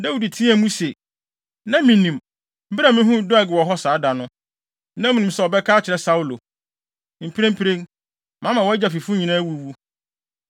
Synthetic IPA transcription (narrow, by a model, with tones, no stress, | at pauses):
da˦wi˨di˨tʰĩ˦æ˨mũ˦se˨ | nã˦mĩ˨nĩ˨m | m̩˦bɪ˦ɾa˨mɪ̃˦ɦũ˦dʊ˦a˨ɡɪ˨wɔ˨ɦɔ˦saː˨˦da˨nʊ̃˦ | nã˦mĩ˨nĩ˨m˦sɛ˦ɔ˨bɛ˦kʰaː˦t͡ɕʰɪ˨ɾɛ˦sa˦u˦lo˨ | m̩˨pʰi˦ɾẽ˦m̩˦pʰi˦ɾẽ˦n | mã˨˦mã˨wɔ˦d͡ʑa˨fi˨fu˦ɲĩ˨nã˦wu˦˨wu˦